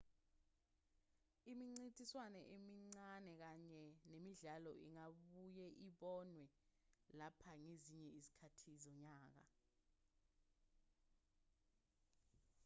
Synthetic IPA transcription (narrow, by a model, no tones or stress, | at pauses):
imiŋ͡ǀitʼiswanɛʔemiŋ͡ǀanɛk̬aɲɛnemiɮalɔʔḭŋaɓujɛʔiɓɔnwɛlapʰaŋeziɲɛizi̥kʰatʰizɔɲaːk̬a̰